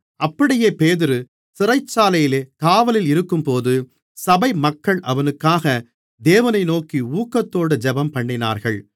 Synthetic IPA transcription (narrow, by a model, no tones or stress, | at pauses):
ʔɐpːɐɽɪjeːpeːðɪɾɯ | sɪrɐɪt͡ʃːaːlɐjɪleːkaːʋɐlɪlɪɾɯkːɯmpoːðɯ | sɐbɐɪmɐkːɐɭʔɐʋɐnɯkːaːɣɐ | d̪eːʋɐnɐɪnoːkiuːkːɐt̪ːoːɽɯd͡ʒɛbɐmpɐɳːɪna̰ːɾɣɐɭ